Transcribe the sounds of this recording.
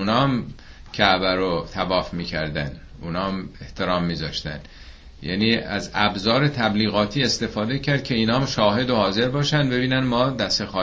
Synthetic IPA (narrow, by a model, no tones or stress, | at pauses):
unɒːmcʰæʔbæɾot̪ʰævɒːfmiːcʰæ̰ɾd̪æn | uːnɒːme̞ht̪ʰeɾɒːmːiːzɒ̰ːʃt̪æ̰n | jæ̰ːniːæzæbzɒːɾe̞t̪ʰæbliːɣɒːt̪ʰiːe̞st̪e̞fɒːd̪e̞cʲʰæɾd̪̥̚cʰe̞iːnɒːmʃɒːɦe̞d̪ohɒːze̞ɾbɒːʃænd̪be̞biːnænmɒːd̪æst̪exɒː